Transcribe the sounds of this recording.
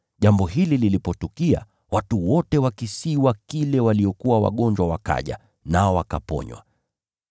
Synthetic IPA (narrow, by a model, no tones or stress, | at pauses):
ʄambɔɦilililipɔtukia̰ | watuwɔtɛwakisiwakilɛwaliɔkuwawa̰ɠɔɲd͡ʒwawaka̰ʄa̰ | naɔwaka̰pɔ̰ɲwa̰